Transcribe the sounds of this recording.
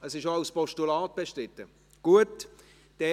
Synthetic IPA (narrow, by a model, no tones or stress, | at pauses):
əsɪʃoaʊspɔʃtulaːt̚b̥eʃtɾɪtːə | ɡ̥uət | d̥ɛ